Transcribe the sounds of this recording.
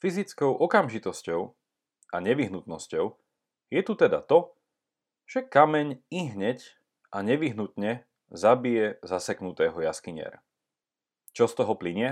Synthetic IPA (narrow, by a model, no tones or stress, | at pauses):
fizit͡skɔʊʔɔkamʒit̪ɔscɔʊ | ʔaɲɛʋiɦnut̪nɔscɔʊ | jɛt̪ut̪ɛd̪a̰t̪ɔ | ʒ̥ɛkamɛɲiɦɲɛc | ʔaɲɛʋiɦnut̪ɲɛ | zabijɛzasɛknut̪ɛːɦɔjaskiɲɪɛ̰ɾa̰ | t͡ʃɔst̪ɔɦɔpliɲɪɛ